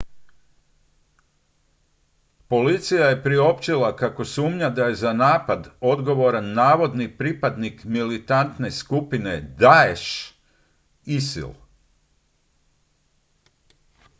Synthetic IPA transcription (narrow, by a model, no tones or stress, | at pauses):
po̞lit̪sijaje̞pɾio̞pt͡ʃilˠakako̞suːmɲad̪aje̞zanaːpad̪o̞d̪ɡo̞ʋo̞ɾanːaːʋo̞d̪nipɾipad̪nikmilit̪ant̪ne̞skupine̞d̪aeʃ | isḭl